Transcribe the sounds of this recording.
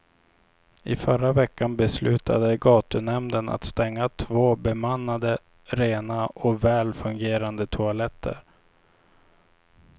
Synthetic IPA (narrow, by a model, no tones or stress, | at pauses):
ʔɪfœɾavɛkːanbɛslʉ̟ːt̪ʰa̰d̪əɡɑːt̪ɵnɛmd̪əna̰t̪st̪ɛŋːat̪ʰvoːbɛmanːad̪ə | ɾeːnaʔɔvɛːlfɵŋɡeːɾand̪ət̪ʰʊalɛt̪ʰːə̰ɾ